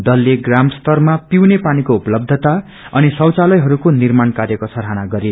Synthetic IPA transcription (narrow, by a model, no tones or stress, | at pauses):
d̪ʌlːeɡramst̪ʌrmapiwnepanikoupʌlʌb̚d̪ʱʌt̪a | ʌnisʌwt͡salʌjɦʌɾukonirmankaɾjʌkosʌɾɦanaɡʌɾe